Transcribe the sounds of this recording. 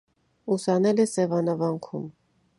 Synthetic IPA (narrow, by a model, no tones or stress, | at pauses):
usɑnɛlɛsɛvɑnɑvɑŋkʰum